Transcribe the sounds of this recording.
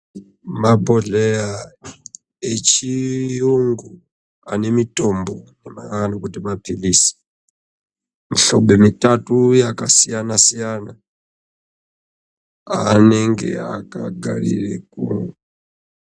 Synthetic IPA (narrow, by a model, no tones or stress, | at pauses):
mabɔɮɛja | et͡ʃʰijuŋɡu | a̰nɛmitʼɔmbɔnɛmaanɔkutimapʰilisi̥ | miɬɔɓɛmitʼatujakʼasijanasijana | anɛŋɡɛ̰a̰kʼa̰ɡa̰ɺḭɺɛkʼṵŋu